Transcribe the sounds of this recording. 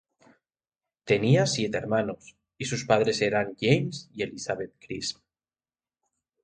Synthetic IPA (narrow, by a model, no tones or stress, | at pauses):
t̪e̞niasjet̪eeɾmanos | isuspað̞ɾeseɾaŋjejmsie̞lisaβet̪̚kɾism